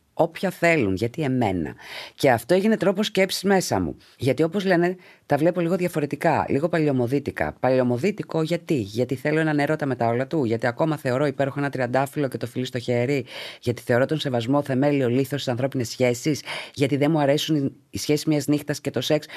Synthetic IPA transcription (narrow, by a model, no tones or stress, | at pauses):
o̞pçɐθe̞lunʝɐt̪ie̞me̞nɐ̰ce̞ɐft̪oeʝine̞t̪ɾo̞po̞scepsi̥zme̞sɐ̰mṵ | ʝɐt̪io̞po̞zle̞ne̞ | t̪ɐvle̞po̞liɣo̞ðʝɐfo̞ɾe̞t̪ikɐliɣo̞pɐlio̞mo̞ðit̪ikɐ̰pɐlio̞mo̞ðit̪iko̞ʝɐt̪iʝɐt̪iθe̞lo̞enɐneɾo̞t̪ɐme̞t̪ɐo̞lɐt̪uʝɐt̪iɐko̞mɐθe̞o̞ɾo̞ipeɾoxoenɐt̪ɾiɐnd̪ɐfilo̞ce̞t̪o̞filist̪o̞çe̞ɾiʝɐt̪i̥θe̞o̞ɾo̞t̪o̞nse̞vɐzmo̞θe̞me̞lio̞liθost̪i̥sɐnθɾo̞pine̞sçe̞sisʝɐt̪iðe̞nmuɐɾe̞sun | isçe̞si̥zmɲɐznixt̪ɐsce̞t̪o̞se̞ks